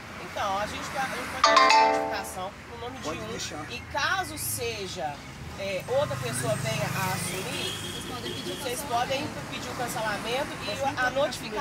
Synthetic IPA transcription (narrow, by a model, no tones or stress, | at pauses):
ẽt̪ɐ̃w̃aʒẽt͡ʃɪaaʒẽt͡ʃɪ̥pɔd͡ʒkããt͡ʃifikasɐ̃w̃ | ũnõmɪd͡ʒimĩʃɪkazʊseʒɐ | ɛowt̪ɾɐpesoɐvẽj̃ɐʔafuɾisespɔd̪̃osesspɔd̪ẽj̃ | pid͡ʒiʊkɐ̃selamẽt̪ʊɪanot͡ʃi̥fik